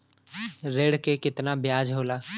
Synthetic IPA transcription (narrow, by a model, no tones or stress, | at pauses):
ɾeːɽkekɪt̪nabjaːd͡ʒɦoːlaː